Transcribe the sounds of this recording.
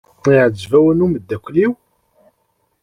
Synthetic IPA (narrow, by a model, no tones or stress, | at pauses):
iʕəd͡zvæwənuməd̪ːækʷːliw